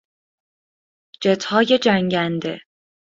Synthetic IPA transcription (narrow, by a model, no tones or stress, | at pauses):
d͡ʒet̪ʰhɒːje̞d͡ʒæŋɟænd̪e̞̰